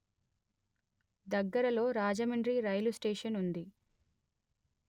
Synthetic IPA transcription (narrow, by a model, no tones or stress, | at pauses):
d̪ɐɡːɐɾɐlo̞ːɾaːd͡ʒɐmiɳɖɾiɾɐjlusʈeːʂɐnund̪i